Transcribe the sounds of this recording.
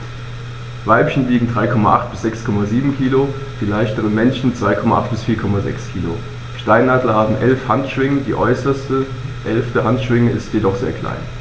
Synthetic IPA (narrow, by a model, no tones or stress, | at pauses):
vaɪpçn̩liːɡŋ̩dʁaɪkʰɔmaʔa̰χt̚b̥ɪsz̥ɛkskʰɔmaziːbm̩kʰiːlo | d̥iːlaɪçtəʁənmɛnʃn̩t͡sv̥aɪkʰɔmaʔa̰χt̚b̥ɪsfiːɐkʰɔmazɛ̰kskʰiːlo̰ | ʃtaɪnːaːdl̩ɐhaːbm̩ʔɛlfhantʃv̥ɪŋədiːʔɔʏsɐstə | ʔɛlftəɦantʃv̥ɪŋəʔɪstjedɔχz̥ḛːɐkʰl̥a̰ɪn